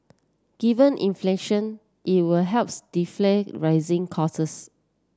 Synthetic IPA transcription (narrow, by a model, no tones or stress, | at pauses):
ɡ̥ivə̃nʔḭ̃nfleʃɔ̃n | ʔit̚wilɦɛlpsd̥ifleɹaɪzɪ̃ŋkʰɔsəs